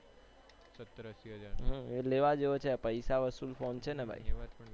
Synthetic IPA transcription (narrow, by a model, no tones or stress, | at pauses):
ɦãeleʋad͡ʒeot͡ʃʰeapəjsaʋəsulfont͡ʃʰenebʱa̰j